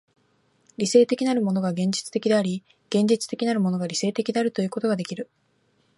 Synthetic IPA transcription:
ɾʲise̞ːt̪e̞kʲinaɾɯ̟mo̞no̞ɡaɡẽ̞ɲ̟d͡ʑi̥t͡sɨ̥t̪e̞kʲid̪e̞aɾʲi | ɡ̥ẽ̞ɲ̟d͡ʑit͡sɨ̥t̪e̞kʲinaɾɯ̟mo̞no̞ɡaɾʲise̞ːt̪e̞kʲid̪eaɾɯ̟t̪ojɯ̟ːko̞t̪o̞ɡad̪e̞kʲiɾɯ̟

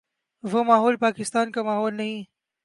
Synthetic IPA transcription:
vomaːɦoːlpaːkɪst̪ɑːnkamaːɦoːlnai

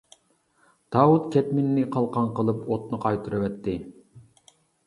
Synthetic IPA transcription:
d̪̥ɑːwut̪kʲʰɛt̪mɪnːɪqʰɑlˠqɑnqəlˠɨpot̪nɨqʰɑjt̪ʰɨɾɨwɛt̪ːɪ

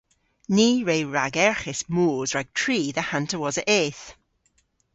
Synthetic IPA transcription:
niːɹejɹaɡɛɹχɪsmoːzɹaɡ̚tʰɹ̥iːðəhantʰəwɔzəʔeːθ

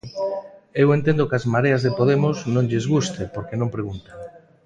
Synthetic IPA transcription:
ewent̪ẽnd̪okazmaɾeazðepoðemoznõŋʎezɣ̞ust̪epoɾkenõmpɾeɣunt̪a

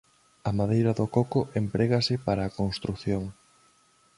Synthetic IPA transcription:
ɐmaðejɾɐðokokoʔempɾeɣasɪpaɾaːkonst̪ɾukθjoŋ

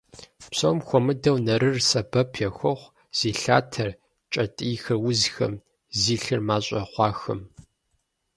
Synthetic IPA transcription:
psɐwmxʷɔmɨdɐwnɐɾɨrsɐbɐpʰjɛxʷɔχʷ | z̥iːɬa̰ːtʰɐr | t͡ʃʼɐtʼiːxɐwʊzxɐ̰m | ziːɬɨrmaːɕʼɐ̰χʷɑːxɨm

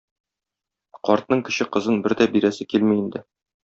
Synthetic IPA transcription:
qɒɾt̪nɤɴkɘ̆ɕɘqɤ̆zɤnbɘɾd̪æbiɾæsɘkilmiind̪ɘ

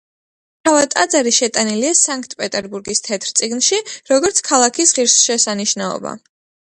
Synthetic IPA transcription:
ʃʰavat̪ʼad̪zaɾiʃɛt̪ʼaniliasaŋk̚ʰt̪ʼpʼɛt̪ʼɛɾbuɾɡist̪ʰɛt̪ʰɾt̪sʼiɡnʃiɾɔɡɔɾt̪sʰkʰalˠakʰisʁiɾsʃɛsaniʃnaɔ̰ba̰

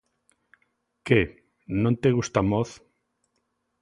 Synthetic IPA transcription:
ke | nõnt̪eɣust̪amoθ

